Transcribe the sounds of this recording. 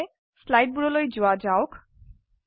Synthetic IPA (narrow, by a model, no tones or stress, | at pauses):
slajʈ̚buɾɔlojd͡ʑoad͡ʑaok